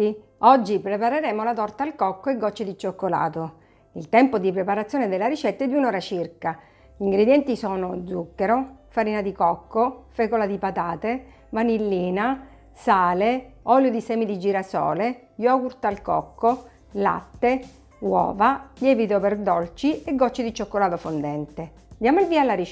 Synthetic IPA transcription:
i | ɔd͡ʒːipɾepaɾeɾɛːmolat̪ɔrt̪alkɔkːoeɡːɔt͡ʃːed̪it͡ʃokːola̰ːt̪o | ilt̪ɛmpod̪ipɾepaɾat̪sjoːned̪elːaɾit͡ʃɛt̪ːaɛd̪unɔːɾat͡ʃirka | iŋɡɾed̪jɛnt̪isɔːnod̪zukːeɾofaɾiːnad̪ikɔkːofɛkolad̪ipat̪aːt̪e | vanilːiːna | saːleɔljod̪isɛːmid̪id͡ʒiːɾasɔ̰ːle | jɔɡuɾt̪alkɔ̰kːo | la̰t̪ːe | wɔ̰ːvaʎɛːvit̪operd̪ɔlt͡ʃieɡːɔt͡ʃːid̪it͡ʃokːolaːt̪ofond̪ɛnt̪e | d̪jaːmoilviːalːaɾi

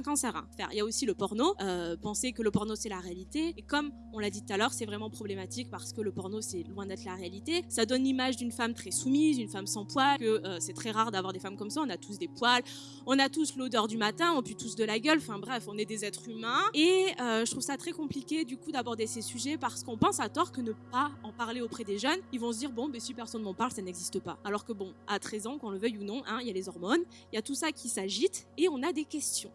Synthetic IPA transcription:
ɛ̃kɑ̃sɛʁɛ̰̃fɛ̰ʁiljaosiləpɔʁnoøpɑ̃sekələpɔʁnosɛlaʁealit̪eːkɔm | ɔ̃lad̪it̪ut̪alœʁsɛvʁɛmɑ̃pχɔblemat̪ik̚paʁsə̥kələpɔʁnosɛlwɛ̃d̪ɛt̪χlaʁealit̪esad̪ɔnlimaʒd̪ynfamt̪χɛsumizynfamsɑ̃pwalkəøsɛt̪χɛʁaʁd̪avwaʁd̪efamkɔmsaɔ̃nat̪us̬d̪epwal | ɔ̃nat̪uslod̪œʁd̪ymat̪ɛ̃ɔ̃pit̪usd̪əlaɡʲœlɑ̃fɛ̃bʁɛfɔ̃nɛd̪ezɛt̪χymɛ̃eøʒət̪χuvsat̪χɛkɔ̃plikʲed̪ykud̪abɔʁd̪esesyʒɛpaʁsə̥kɔ̃pɑ̃sat̪ɔʁkənəpaɑ̃paʁleopχɛd̪eʒœnilvɔ̃səd̪iʁbɔ̃bɛsipɛʁsɔnmɑ̃paʁlsanɛɡzist̪əpa̰ːlɔʁkəbɔ̃at̪χɛzɑ̃kɑ̃ləvœjunɔ̃ʔɛ̃iljalezɔʁmɔn | iljat̪usakʲʰisaʒit̪eɔ̃nad̪ekʲɛst̪jɔ̃

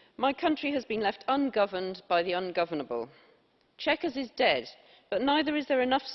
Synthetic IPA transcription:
maɪkʰʌ̃nt͡ʃɹ̥iəzbĩnlɛftʰʌ̃nɡʌvə̃nb̥aɪðiʌ̃nɡʌvənəbə̰lˠ | t͡ʃʰɛkəzɪzdɛd̚ | b̥ʌʔnaɪðəɹɪzðəɹɪnʌfs

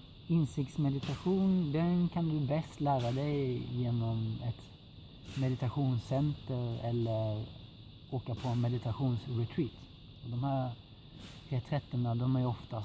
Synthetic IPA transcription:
ɪnsɪk̚t̪smɛd̪ɪt̪aɧuːnd̪ɛnkʰand̪ɵbɛst̪læːɾad̪ɛjjeːnɔmɛt̪ | mɛd̪ɪt̪aɧuːnsɛnt̪əɾɛlːəɾ | oːkapʰɔɛnmɛd̪ɪt̪ʰaɧuːnsɾɛt̪ʰɾiːt̪ | ɔd̪ɔmhæːɾ | t̪ʰɾeːt̪ʰɾɛt̪ːənad̪ɔmæɾɔft̪a

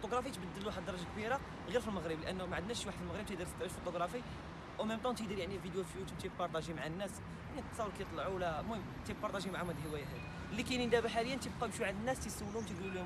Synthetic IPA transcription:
fot̪oɡɾˤɑfijt̪bəd̪ːəluwħəd̪d̪ːɑɾˤɑʒakbiɾa | ɣiɾfilməɣɾəblʔənːmaʕəd̪næʃwaħəd̪filməɣɾəbt̪əd̪iɾt̪t̪ˤəʃfot̪ˤoɡɾˤɑfij | wæməmt̪ˤɑ̃t̪əɡd̪iɾjaʕnivid̪jufjut̪mt̪ik̚pɑɾˤt̪ˤɑʒimaʕanːæs | nit̪sˤɑwːəɾkæjət̪ˤlʕuwlæmuh | t̪ik̚pɑɾt̪ˤɑʒimaʕamæd̪həwæjaɦæd̪i | likænənd̪æbħaləjːənt̪əb̚qɑbʃuʕad̪ənːæst̪əsəwːluhʊmt̪əɡluliʊ

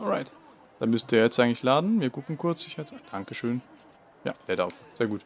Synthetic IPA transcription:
ʔɔlʁaɪt | d̥anmʏstd̥iːɐjɛt͡stʔaɪɡŋlɪçlaːdn̩viːɐɡʊkŋ̩kʰʊɐt͡sɪçɛt͡sad̥aŋkəʃøːn | ja̰ːlɛːda̰ʊfz̥eːɐɡuːt

